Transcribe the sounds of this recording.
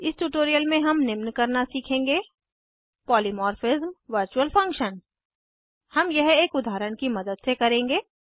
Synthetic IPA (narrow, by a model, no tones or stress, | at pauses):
ɪsʈuʈoːɾijəlmẽɦɐmnɪmnkɐɾnasiːkʰẽːŋɡeː | pɔːlimɔːɾfɪzmʋəɾt͡ʃuəlfʰɐ̃ŋkʃən | hɐmjɐɦeːkʊd̪ʱaːɾəɽ̃kimɐd̪əd̪sekɐɾẽːŋɡeː